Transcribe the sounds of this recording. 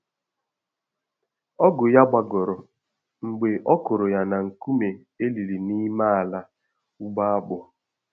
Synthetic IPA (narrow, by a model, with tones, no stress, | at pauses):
ɔ˦ɡʊ˨ja˦ɡ͡ba˨ɡʊ˨ɾʊ˨ | ŋ͡m̩˨ɡ͡be˨ʔɔ˦kʊ˨ɾʊ˨ja˨na˨ŋ̩˨ku˦me˨ | e˦li˨ɾi˨ni˦ma˦a˨la˦ | u˦ɡ͡ba˦a˦k͡pʊ˨